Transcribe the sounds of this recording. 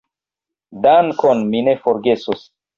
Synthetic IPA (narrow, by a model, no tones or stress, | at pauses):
dankʰonminefoɾɡesos